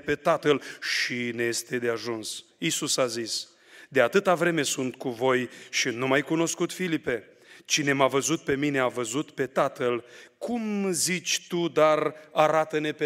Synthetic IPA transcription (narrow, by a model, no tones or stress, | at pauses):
pe̞t̪at̪əlʃineje̞st̪e̞d̪eaʒunsisusazis | d̪eat̪ɨt̪avɾe̞me̞sunt̪kuvo̞jʃinumajkuno̞skut̪filipe̞ | t͡ʃine̞mavəzut̪̚pe̞mine̞avəzut̪pe̞t̪at̪əlkʰumzit͡ʃʲt̪ud̪araɾat̪əne̞pe